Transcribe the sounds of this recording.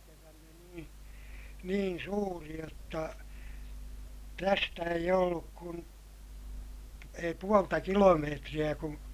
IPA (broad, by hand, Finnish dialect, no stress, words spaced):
tuotɑ niːn niːn suːri jotːɑ tæstæ eij olːuk kun ei puoltɑ kilomeːtrij̆æ kũː